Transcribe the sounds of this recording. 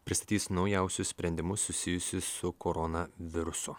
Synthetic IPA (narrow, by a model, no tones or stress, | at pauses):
pʲɾʲɪst̪ɐt̪ʲiːsnɒʊjɛˑʊsʲʊssʲpʲɾʲɛnʲd̪ʲɪmʊsʊsʲɪjʊsʲɪsʊkɔɾɔnɐʋʲɪɾʊsʊ